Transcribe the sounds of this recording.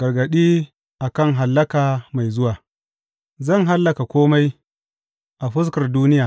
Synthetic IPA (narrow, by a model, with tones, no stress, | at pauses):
ɡ̥ɐ˨rɡɐ˨ɗiː˦ | ʔa˨kɐ˦˨ŋɦa˨lːɐ˦kaː˨ma˨jzʊ˦waː˨ | zɐ˦˨ŋɦa˦lːɐ˨ka˨kʷoː˦ma˦j | ʔa˨ɸʊ˦s̬kɐ˨rduː˦nɪ˦jaː˨